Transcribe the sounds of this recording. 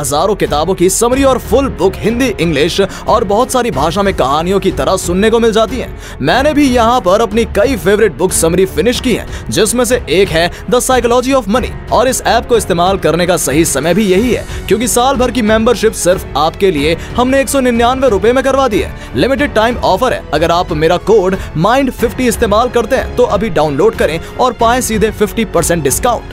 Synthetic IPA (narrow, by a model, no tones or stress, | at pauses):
ɦɐzaːɾõkɪt̪aːbõkisɐmɾiɔːɾfʊlbʊkʰɦɪ̃nd̪iʔɪ̃ŋɡlɪʃ | ɔːɾbɔɦʊt̪saːɾibʱaːʃ̬amẽkɐɦaːnijõkit̪ɐɾəɦsʊnːekomɪld͡ʒaːt̪iɦɛ̰̃ː | mɛ̃ːnebʱijɐɦãpɐɾɐpnikɐifeːʋɾɪʈ̚bʊksɐmɾifɪnɪʃkiɦɛ̰̃ːd͡ʒɪsmẽs̬eʔeːkɦɛ | d̪ɐsaːɪklɔːd͡ʒiɔːfmɐnḭː | ɔːɾɪsɛːp̚koɪst̪eːmaːlkɐɾnekasɐɦisɐməjbʱijɐɦiɦɛ̰ːkjõːkisaːlbʱɐɾkimɛ̃mbəɾʃɪpsɪɾfaːpkeliehɐmneeːksɔnɪnjaːnʋeɾʊpemẽkɐɾʋaːd̪iɦɛ̰ː | lɪmɪʈ̬ɪɖ̚ʈaːɪmɔːfəɾɦɛ̰ːɐɡəɾaːpmeːɾakoːɖmãːɪ̃ɳɖfɪfʈiɪst̪eːmaːlkɐɾt̪eɦɛ̰̃t̪oʔɐbʱiɖaːʊ̃nloːɖkɐɾẽ | ɔːɾpaːẽsiːd̪ʱefɪfʈipɐɾsɛ̃ɳʈ̚ɖɪskãːʊ̃ɳʈ